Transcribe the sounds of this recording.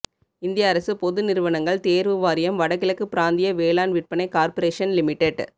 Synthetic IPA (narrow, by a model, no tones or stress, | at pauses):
ɪnd̪ɪjaːɾɐsɯpɔðɯnɪɾɯʋɐɳɐŋɡɐɭt̪eːɾʋɯʋaːɾɪjɐmʋɐɽɐkːɪlɐkːɯpɪɾaːnd̪ɪjɐʋeːlaːnʋɪʈ̚pɐɳɐɪkaːɾpɐɾeːʂɐnlɪmɪʈːeɖ